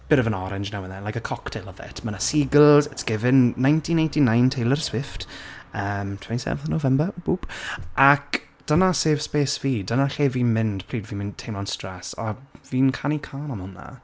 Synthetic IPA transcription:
b̥ɪɾəvə̃nɔɾɪnd͡ʒnawənðɛnlajkəkʰɔktʰelˠɔvɛ̰tʰmənasiɡəlˠzɪtsɡ̥ɪvɪnːãj̃ntʰinejntinãjntʰejlˠərswɪftəmtʰwɛntisɛ̰vθənovɛmbəb̥ub̥ʔak | d̥ənaseːv̥speːsviːdənaɬeːviːnmɪnd̥pʰl̥iːdvimɪntʰejmlɔnstrɛsa̰viːnkʰanikʰanɔmʊnːa̰

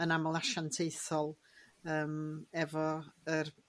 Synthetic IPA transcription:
ənamɔlˠaʃantʰejθɔlˠ | əːmɛvɔər

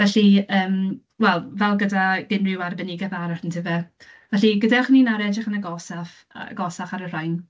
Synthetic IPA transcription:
vɛɬiəːm | wɛlˠvɛlˠɡədaɡɪnrɪwarbɛnɪɡɛðaɾarntʰɪvɛ | vɛɬiɡədaɔχəniːnaɾɛdrɪχənaɡɔsaf | ɡɔsaχaɾər̥ajn

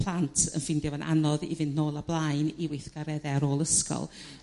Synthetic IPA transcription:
pʰl̥ˠantʰə̰nfɪndjɔvənʔa̰nɔðḭvɪnnoːlˠablˠajniwɪθɡ̥aɾɛðɛɾoːlˠəskɔ̰lˠ

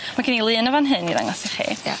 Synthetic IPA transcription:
maɡɪnilˠɨːnəvanɦɨniða̰ŋɔsɪχḭːja̰

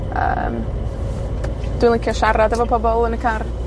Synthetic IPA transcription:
ə̰m | d̥wɪnlˠikʰjɔʃaɾadavɔpʰɔbɔlˠənəkʰar

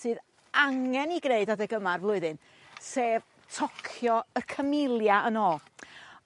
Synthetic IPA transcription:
sɨːð | aŋɛniɡreɨdadɛɡəmarvlˠʊɨðɨn | seːv | tʰɔkʰjɔərkʰəmɪlˠjaʔənɔ

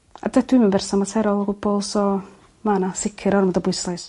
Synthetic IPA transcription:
a̰dɛd̥ɪmabɛrsanmatʰɛɾɔlˠɔɡʊbɔlˠsɔ | manasɪkʰɪɾɔrmɔdɔbʊjslˠajs

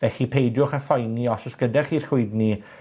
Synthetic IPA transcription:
vɛxipʰejdjʊχəfɔjniɔsɔsɡ̥ədɛrχiːrχʊɨdni

